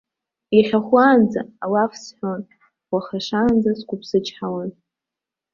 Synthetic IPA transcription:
iχʲaχʷwaːnd͡zaːwafsħʷᶣon | waχaʂaːnd͡zaskʷʼʊpʰsɨt͡ʃʰʼħawan

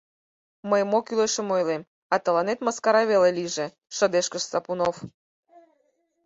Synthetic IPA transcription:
məjmokyleʃə̆mojlem | ɑt̪ə̆lɑnet̪mɑskɑɾɑβeleliʒe | ʃə̆d̪eʃkəʃsɑpunof

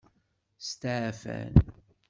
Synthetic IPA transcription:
st̪aʕfæ̰n

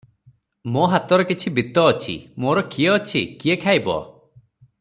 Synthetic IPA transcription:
moɦat̪ɔɾɔkit͡ʃʰibit̪ɔːt͡ʃʰḭmoɾɔkieɔt͡ʃʰḭkiekʰajbɔ̰

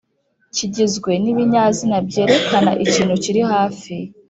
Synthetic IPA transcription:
ciɟizɡwe̞niβiɲaːzinabɟe̞ːɾe̞kana̰ʔiciːnhuciɾihaːfi

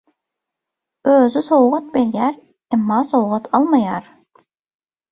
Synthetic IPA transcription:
øːzysowʁɑt̪̚beɾjæɾ | æmːɑːsowʁɑt̪ʰɑlˠmɑjɑɾ

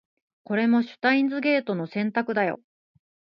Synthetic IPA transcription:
ko̞ɾe̞mo̞ɕɨ̥t̪aĩnd͡zɨɡe̞ːt̪o̞no̞sẽ̞nt̪akɯ̟d̪ajo̞̰

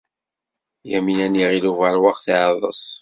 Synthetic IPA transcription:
jæminæniʁiluvæɾwaqθʕðˤə̰sˤ

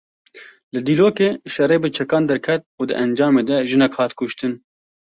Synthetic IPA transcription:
lɨd̪iːloːkeːʃɛreːbɨt͡ʃʰɛkɑːnd̪ɛɾkʰɛt̪̚uːd̪ɨ̰ʔɛnd͡ʒɑːmeːd̪ɛʒɨnɛkhɑːt̪kʊʃt̪ɨn

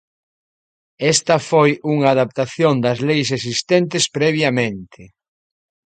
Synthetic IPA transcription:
ɛst̪ɐfojuŋɐːðap̚t̪aθjond̪ɐzlejses̬ist̪ɛnt̪ɪspɾɛβ̞jamẽnt̪ʰɪ

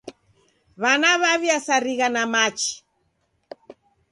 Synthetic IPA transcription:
βanaβaβjasaɾiɣanamat͡ʃi̥

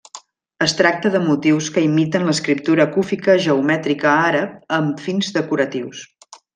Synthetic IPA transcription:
əst̪ɾak̚t̪əðəmut̪iwskəimit̪ənləskɾip̚t̪uɾəkufikəʒəumɛt̪ɾikəaɾəp̚əmfinzðəkuɾət̪iws

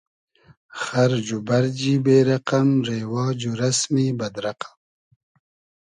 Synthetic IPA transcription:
xaɾd͡ʒubaɾd͡ʒibeːɾaqamɾeːwɑːd͡ʒuɾasmibɐd̪ɾaqḁm

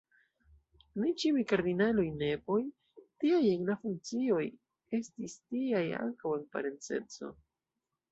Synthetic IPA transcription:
nit͡ʃiujkaɾdinalojne̞po̞j | tiajeŋlafuŋk̚t͡sio̞j | e̞stistiaja̰ŋkawe̞npa̰ɾe̞nt͡se̞̰t͡so̞̰

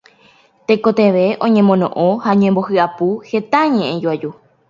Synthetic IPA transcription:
t̪ekot̪e̞ʋe̞ʔõ̞ɲẽmõnõʔõhaɲẽmbo̞hɨapuhe̞t̪aɲẽʔẽd͡ʒuad͡ʒu

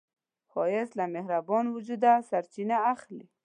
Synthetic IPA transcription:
xɔjɪslamehɾabɔnwʊd͡ʒud̪asaɾt͡ʃinaaxli

